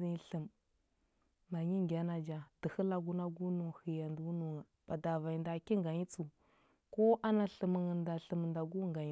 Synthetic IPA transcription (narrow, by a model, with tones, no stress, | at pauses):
i˨ɬə˨m | ma˨ɲi˦ŋɡʲa˦na˨d͡ʒa˨d̥ə˨hə˦la˨ɡu˦na˦ɡu˦nu˨xi˨ja˨ndu˦nu˨ŋa˨ | b̥a˨da˨va˨i˨nda˨ki˦ŋ˦ɡa˨ɲi˦t͡su˨ | ko˦ʔa˦na˨ɬə˨mə˨ŋə˨nda˨ɬə˨m˨nda˨ɡu˦ŋɡa˨˦